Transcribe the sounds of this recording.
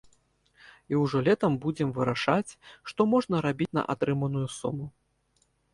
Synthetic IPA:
iwʐɔlʲɛt̪ɐmbud͡zʲɛmvɨɾaʂat͡sʲʂt̪ɔmɔʐn̪ɐɾabʲit͡sʲnɐ̰ʔa̰t̪ɾɨmɐnujusṵmu

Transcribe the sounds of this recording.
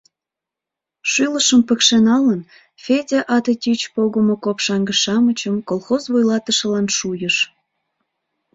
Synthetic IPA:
ʃyləʃəmpə̆kʃenɑlən | fʲedʲeʔɑt̪etʲit͡ɕpoɣəmokopʃɑŋɡəʃɑmət͡ɕəmkolˠxozβojlɑt̪əʃə̆lɑnʃujəʃ

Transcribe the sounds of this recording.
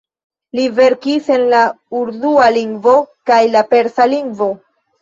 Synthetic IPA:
live̞ɾkise̞nla | uɾdualiŋɡvo̞kajlape̞ɾsaliŋɡvo̞

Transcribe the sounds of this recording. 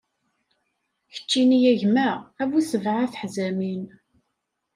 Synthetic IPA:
çə̥t͡ʃːinijæʝmæævusəvʕaθəħzæmin

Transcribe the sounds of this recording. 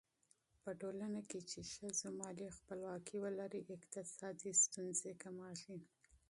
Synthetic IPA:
pəʈolanaket͡ʃeʃəzamɑlixpəlwɑkʰiwəlaɾiʔɪqt̪ɪsɑd̪ist̪unzekamɑʃi

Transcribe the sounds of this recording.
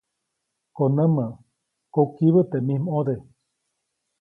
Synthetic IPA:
konəmə̃ | kokiβət̪emĩhmod̪e

